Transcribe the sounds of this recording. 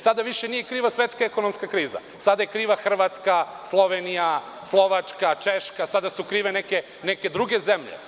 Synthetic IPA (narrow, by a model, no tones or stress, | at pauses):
sad̪aʋiʃenijekɾiːʋasʋet̪skaekonomskakɾiːza̰ | sad̪ajekɾiːʋaxr̩ʋat̪ska | slˠo̞ʋenija | slˠo̞ʋat͡ʂkat͡ʃeʃkasad̪asukɾiːʋeneke | neked̪ɾuɡe̞zemʎḛ